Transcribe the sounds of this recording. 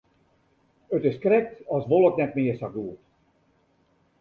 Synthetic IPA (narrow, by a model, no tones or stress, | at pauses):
ət̪ɪskrɛk̚t̪ɑsʋolˠət̪nɛtmɪːəsaɡuːt